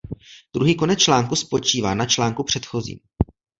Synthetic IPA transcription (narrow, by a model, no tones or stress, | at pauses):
d̥̪ɾuɦiːko̞nɛt͡st͡ʃlaːŋkuspo̞t͡ʃiːvaːnat͡ʃlaːŋkupr̝̥ɛt̪xo̞zḭːm